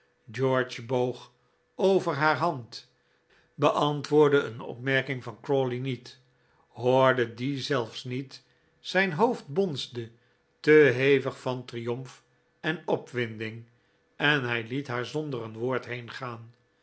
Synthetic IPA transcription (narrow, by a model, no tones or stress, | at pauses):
d͡ʒɔɹt͡ʃbowχ | owvəɹɦaːɹɦɑnt | bəʔɑntʋʊːɹdəənɔ̰pmɛɹkɪŋvɑnkrɔlinit | ɦoːɹdədizɛlˠfsnit | sɛjnɦowfd̚bɔnzdə | təɦejvəχfɑntrijɔmf | ɛnɔpʋɪndɪŋ | ɛnɦɛjlitɦaːɹzɔndərənʋʊːɹtɦejnχaːn